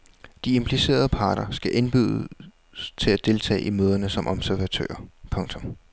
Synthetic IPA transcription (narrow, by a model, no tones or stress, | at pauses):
d̥ie̝mpʰlise̝̰ːɐð̞ˠpʰɑ̈ːɾ̥ɐsɡ̥æʔe̝nb̥yðˠ | st͡sʰe̝læd̥e̝lt͡sʰɛ̰ːʔimøːð̞ˠɐnəsɒ̽mʔɒ̽b̥sæɐʋæt͡sʰø̰ɐpʰɔ̽ŋt͡sʰɔ̽m